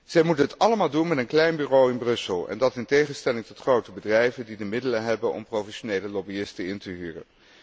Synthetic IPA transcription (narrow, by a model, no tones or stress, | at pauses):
z̥ɛjmutənɦətɑləmaːlˠdunmɛtənklɛjnbyːrowɪnbrɵsəlˠɛ̰ndɑtɪntejχənstɛlɪŋtɔtχrowtəbədrɛjvəndidəmɪdələɦɛbənʔɔ̰mprowfɛʃonejləlɔbiɪstəɪntəɦyːrə̰n